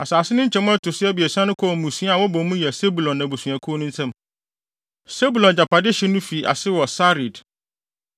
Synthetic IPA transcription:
a˨saː˨sɪ˦nʊ̃˦ɲ̩˦t͡ɕʰɛ˨mʊ̃˦ɛ˦tʰʊ˨sɪ˦ɛ˦bi˨ɛ˨sã˦nʊ̃˦kʰɔ˦˨mũ˨su˦a˨wɔ˦bɔ̃˨mũ˦jɛ˨se˦bu˨lɔ̃˨nːã˨bu˨sũ˨ã˨kʰo˦nʊ̃˦n̩˦sɛ̃˦m | se˦bu˨lɔ̃˨nd͡ʑa˨pʰa˨dɪ˦ɕɛ˦nʊ̃˦fi˨ʔa̰˨sɪ˦wɔ˨sa˦ɾi˨d

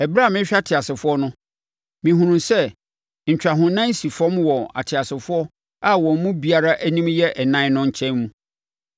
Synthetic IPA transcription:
ɛ˨bɾa˦˨mɪ̃˦ɕᶣa˦tʰɪ˨a˨sɪ˨fʊ˦ɔ˦nʊ̃˦ | mĩ˨ɦũ˨ɾũ˨msɛ˦˨ | ɲ̩˨t͡ɕᶣa˨ɦʊ̃˨nã˦n˦si˨fɔ̃˦mwɔ˨a̰˨tʰɪ˨a˨sɪ˨fʊ˦ɔ˦ | a˦wɔ̃˨m̩˨˦mũ˦bi˨a˨ɾa˦ʔæ˦nĩ˦mjɛ˦ʔɛ˨nã˦nʊ̃˦ɲ̩˨t͡ɕʰɛ̃˦nmũ˦

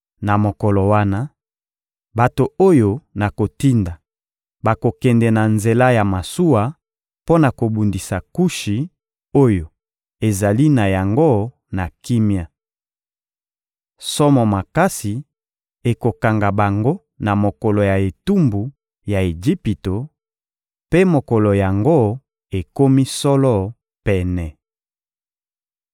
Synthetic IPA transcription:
na˨mo˨kɔ˨lɔ˨wa˦na˦ | ba˨to˨o˦jo˨na˨ko˨ti˦nda˨ | ba˨ko˨kɛ˨ndɛ˨na˨nze˨la˦ja˨ma˨su˦wa˨ | po˦na˨ko˨bu˨ndi˨sa˨ku˦ʃi˨ | o˦jo˨ | e˨za˨li˦na˨ja˨ŋɡo˦ | na˨ki˦mja˨ | sɔ˦mɔ˨ma˨ka˦si˨ | e˨ko˨ka˨ŋɡa˨ba˨ŋɡo˦ | na˨mo˨kɔ˨lɔ˨ja˨e˨tu˦mbu˨ | ja˨e˨d͡ʒi˦pi˨to˨ | pe˦mo˨kɔ˨lɔ˨ja˨ŋɡo˦ | e˨ko˦mi˦sɔ˦lɔ˦ | pɛ˨nɛ˨

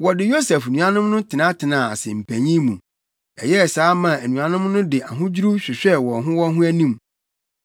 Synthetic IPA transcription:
wɔ˨dɪ˨jo˦sɛ˨fnũ˨a˦nʊ̃˦mnʊ̃˦tʰɪ˨nã˦tʰɪ˨nã˨a˨sɪ̰˨m̩˨pʰæ̃˨ɲĩ˦mũ˨ | ɛ̰˨jɛ˦˨saː˨˦mã˨æ˨nũ˨a˨nʊ̃˦mnʊ̃˦dɪ˨ʔa˨ɦʊ̃˦d͡ʑi˦ɾu˦ɕᶣɪ˨ɕᶣɛ˦wɔ˨ɦʊ̃˦wɔ˦ɦʊ̃˦æ˦nĩ˦˨m

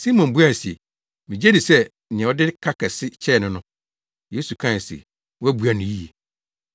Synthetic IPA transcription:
si˦mɔ̃˨nbu˦a˦˨si˨e˨ | mĩ˨d͡ʑɛ˦dɪ˨sɛ˦˨ | ɛ̃˨ɔ˦dɪ˦kʰa˦kʰɛ˨sɪ˦t͡ɕʰɛ˦˨nʊ̃˦nʊ̃˦ | je˦su˨kʰã˦˨n˨sḛ˨ | wæ˦bu˨˦a˨nʊ̃˨ji˦je˨

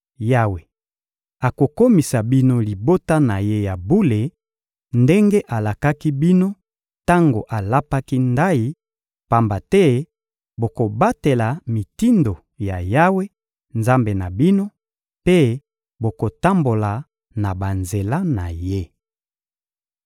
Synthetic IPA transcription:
ja˦we˨ | a˨ko˨ko˦mi˨sa˨bi˦no˦li˨bo˦ta˦na˨je˦ja˨bu˦le˨ | nde˦ŋɡe˦ʔa˨la˨ka˦ki˦bi˦no˦ | ta˦ŋɡo˨ʔa˨la˦pa˦ki˦nda˦ji˦ | pa˨mba˨tɛ˦ | bo˨ko˨ba˦te˨la˨mi˨ti˦ndo˨ | ja̰˨ja˦we˦ | nza˦mbe˨na˨bi˦no˦ | pe˦ | bo˨ko˨ta˦mbo˨la˨ | na˨ba˨nze˨la˦na̰˨je˦

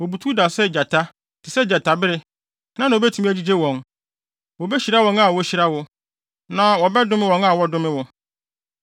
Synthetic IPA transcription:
wɔ˨bu˨tʰu˦da˨sɛ˦˨d͡ʑa˨tʰa˦ | tʰɪ˨sɛ˦˨d͡ʑa˨tʰa˨bɪ˦ɾɪ˦ | nã˦nã˨o˨bɛ˦tʰu˨mĩ˦æ˦d͡ʑi˦d͡ʑe˦wɔ̃˨n | wɔ˨bɛ˦ɕi˨ɾa˦wɔ̃˨ŋa˦˨wɔ˨˦ɕi˨ɾa˦wʊ˨ | nã˨wɔ˨bɛ˦dʊ̃˦mɪ̃˦wɔ̃˨ŋa˨wɔ˦dʊ̃˦mɪ̃˦wɔ˨

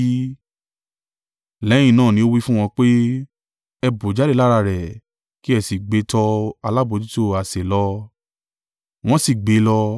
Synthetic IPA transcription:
lɛ˨˦j̃ĩ˦˧˨nãː˦˨nĩ˧˦o˦wi˦fũ˦w̃ɔ̃˧k͡pe˦ | ɛ˧bo˨˦d͡ʒa˦de˦˨la˦ɾa˧˨ɾɛ˨ | ki˦ɛ˦˨si˨ɡ͡be˨˦tɔ˧a˧la˦bo˨˧˦d͡ʒi˦to˦˨a˨se˨lɔ˧ | w̃ɔ̃˦si˨ɡ͡be˨˦lɔ˧

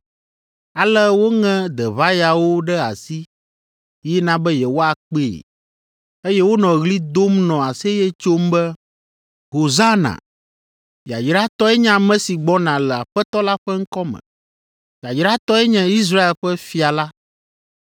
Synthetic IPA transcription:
a˨lɛ˦wo˦ŋɛ̃˦d̪ɛ˨βa˦ja˨wo˦ɖɛ˦a˨si˦ | jɛ˦nã˦bɛ˦jɛ˨wo˦a˨k͡pe˦˨ | e˦jɛ˦wo˦nɔ̃˨ɣli˦d̪o˦mnɔ̃˨a˨se˦jɛ˦t͡ʃo˦mbɛ˦ | ɦo˨za˦nã̰˨ | ja˨d͡ʒɾa˦t̪ɔ˦ɛ˦ɲã˦mɛ̃˦si˨ɡ͡bɔ˦nã˨lɛ˨a˨ɸɛ˦t̪ɔ˦la˦ɸɛ˦ŋ̩˦kɔ˦mɛ̰̃˨ | i˨a˨d͡ʒɾa˦t̪ɔ˦ɛ˦ɲɛ̃˦i˦s̬ɾa˦e˨lɸɛ˦fi˨a˨la˦

